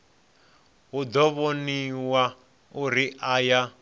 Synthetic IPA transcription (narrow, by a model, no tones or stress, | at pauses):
ɦud̪ɔβoniwa | uɾiʔaja